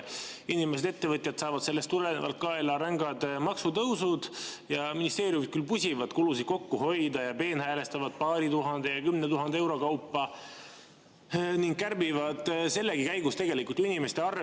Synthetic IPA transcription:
inimese̞d̪e̞t̪ːe̞vɤt̪ʲˑjɑt̪sɑːvɑd̪̥se̞lːest̪ulenḛvɑ̰lt̪̚kɑelɑɾæŋɡɑd̪̥mɑksut̪ɤwsud̪̥jɑminist̪e̞ːɾjumid̪̚kylpusʲivɑd̪̥kulusid̪̥̚ko̞kːuho̞jd̪ɑjɑpe̞ːnhæːle̞st̪ɑvɑd̪̥̚pɑːɾit̪uɦɑnd̪̥e̞jɑkymnet̪uɦɑnd̪ee̞wɾo̞kɑwpːɑ | niŋɡ̥̚kːærbivɑd̪̥se̞lːeɡikæjɡust̪e̞ɡe̞likult̪inime̞st̪e̞ɑr

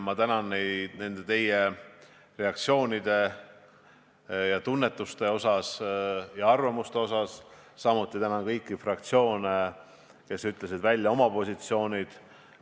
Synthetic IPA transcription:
mɑt̪ænɑnːejd̪̥ne̞nd̪̥e̞t̪e̞je | re̞ɑkt̪sio̞ːnid̪̥e̞ | jɑt̪unːe̞t̪ːˑust̪e̞o̞sɑsjɑɑrvɑmust̪e̞o̞sɑsː | ɑmut̪ːˑit̪ænɑnkɤjkːˑifrɑk̚t̪sio̞ːne | ke̞syt̪ˑle̞s̬id̪̥vælʲːjɑo̞mɑpo̞sʲit̪sio̞ːnʲid̪̥

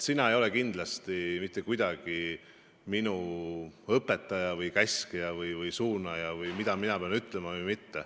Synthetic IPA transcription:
sinɑejo̞le̞kind̪̥lɑst̪imit̪ˑːe̞kujd̪ɑɡ̥i | minu | ɤpːˑe̞t̪ːˑɑjɑvɯjkæskijɑvɯjvɯjsuːnɑjɑvɯjmid̪̥ɑminɑpeɑnyt̪ːˑle̞mɑvɯjmit̪ːe̞

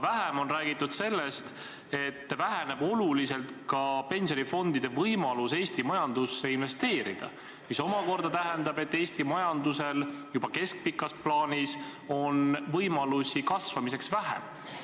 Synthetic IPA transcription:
væɦemo̞nræːɡit̪ːˑud̪̥se̞lːe̞st̪ | e̞t̪ːvæɦene̞b̥o̞lulise̞lt̪kɑpe̞nsʲo̞nʲifo̞nd̪̥id̪̥e̞vɤjmɑluse̞ːsʲt̪imɑjɑnd̪usːe̞inve̞st̪e̞ːɾid̪̥ɑ̰ | miso̞mɑko̞rd̪̥ɑt̪æɦend̪ɑbe̞t̪ːe̞ːst̪imɑjɑnd̪use̞ljubɑke̞sk̚pikːˑɑsplɑːnʲiso̞nvɤjmɑlusʲikɑsvɑmise̞ksvæɦḛm

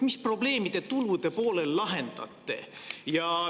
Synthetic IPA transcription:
mispro̞ble̞ːmid̪̥e̞t̪ulud̪̥e̞po̞ːle̞lːɑɦe̞nd̪̥ɑ̰t̪ːˑe̞̰jɑ

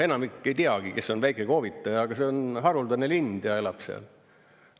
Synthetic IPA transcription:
e̞nɑmikːe̞jt̪iɑɡ̥ike̞sːo̞nvæjkˑeko̞ːvit̪ːˑɑjɑːɡ̥ɑse̞o̞nɦɑɾuld̪ɑnelind̪̥jɑelɑb̥seɑ̰l

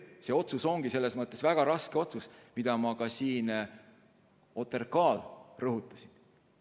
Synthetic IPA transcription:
se̞o̞t̪suso̞ŋɡise̞lːe̞smɤt̪ˑːe̞svæɡ̥ɑɾɑske̞o̞t̪susmid̪̥ɑmɑkɑsiːn | o̞t̪ːˑe̞rkɑːlrɤɦut̪ːˑɑ̥sin

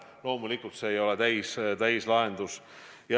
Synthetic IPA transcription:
lo̞ːmulikːˑult̪se̞ːjo̞le̞t̪æjst̪æjslɑe̞nd̪̥us | jɑ

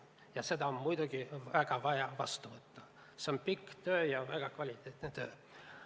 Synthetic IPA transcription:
jɑse̞d̪ɑommujd̪uɡiæɡ̥ɑʋɑjɑʋɑst̪uvɤt̪ːu | seompikːˑt̪øːjɑvæɡ̥ɑkvɑlʲit̪ːˑeːt̪net̪øː

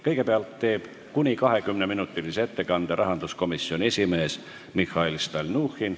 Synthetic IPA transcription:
kɤjke̞peɑlt̪ːe̞ːb̥ | kunʲikɑɦe̞kymneminut̪ːˑiliseet̪ːe̞kɑnd̪̥eɾʔɑɦɑnd̪̥usko̞misːionʲie̞sʲime̞ːs | mixɑilst̪ɑlʲnuːxin

